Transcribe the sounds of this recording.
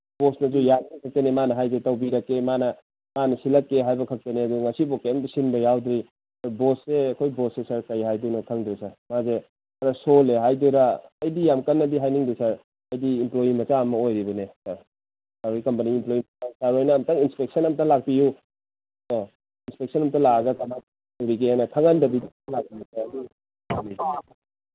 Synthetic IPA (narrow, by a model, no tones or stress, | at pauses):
b̥osnɐzujamnikʰɐk̚tɐnemanɐɦajzetɐwbiɾɐkːemanɐ | manɐsilɐkːeɦajbɐkʰɐk̚tɐneɐduŋɐsibokembsinbɐjawd̪ɾi | sɐɾbosːeɐkʰojbosesɐɾkɐjɦajdunɐkʰɐŋd̪ɾisɐɾmaze | ɐɾɐsoleɦajduɾɐɐjdijamkɐnːɐdiɦajniŋdisɐɾ | ɐjdiːmplojimɐt͡ʃaɐmɐojɾibɐnesaɾ | sawɾikɐmpɐniːmplojiɐasaɾojnaːmtaŋinspek̚sɐnɐmtɐlak̚piju | to | inspek̚sɐnɐmtɐlaaɡɐkama | ɾiɡeanɐkʰaŋandɐbidi | lak̚imɐsaɾɐdu | ali